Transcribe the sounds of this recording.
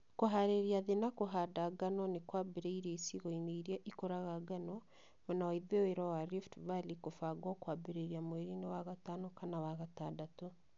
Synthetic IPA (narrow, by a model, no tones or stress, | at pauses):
koɦaɾeɾiaðenakoɦadaɡanɔnekwabeɾaiɾeisiɣɔineiɾiaʔikoɾaɣaɡanɔ | mɔnawaiðeweɾawaɾiftvalikofaɡwɔkwaːbeɾeɾiamweɾinewaɣatanokanawaɣataːdato